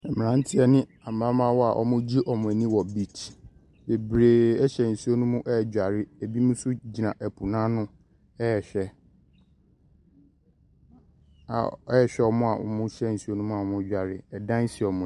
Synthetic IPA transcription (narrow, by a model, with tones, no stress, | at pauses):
ɛ˨m˨ã˦n̩˦tʰɪ˦ɛ˦nɪ̃˦a˨mã˦mã˦wɔ˦a̰˨ʔɔ̰˨mʊ̃˦d͡ʑi˦ʔɔ˨mʊ̃˨æ˨nĩ˦wɔ˨bi˨tʰ | be˨bɾeː˨ɛ˦ɕɛ˨n̩˨su˦o˦nũ˦mũ˦ʔɛ˦˨d͡ʑᶣa˨ɾɪ˦æ˨bi˦mũ˦sʊ˦d͡ʑi˨nã˨ʔæ˨pʰu˨nãː˦nʊ̃˦ | ɛ˦ɛ˨ɕᶣɛ˦ | a̰˨ɛ˦ɛ˨ɕᶣɛ˦ɔ˦mʊ̃˦a˨ʔɔ̰˨mʊ̃˦ɕɛ˦n̩˨su˦o˦nũ˦mũ˦a˨ɔ˨mʊ̃˦d͡ʑᶣa˨ɾɪ˨ɛ˨dã˦n˦si˨ɔ˨mʊ̃˨